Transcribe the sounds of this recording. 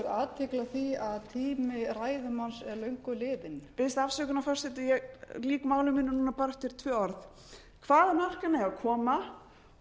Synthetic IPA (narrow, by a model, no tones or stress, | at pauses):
ɛɾaːt̪ʰɪklaθiaðt̪ʰiːmɪraːjðʏmansɛɾlœɥŋkʏlɪːðɪnpɪst̪afsœːkʏnafɔr̥sɛt̪ɪjɛɣliːkmaːwlʏmɪnːɪnuːnapaːɾɛft̪ɪɾ̥t̪ʰvœːɔɾθ | kʰvaːðanar̥kanɛɣakʰɔːma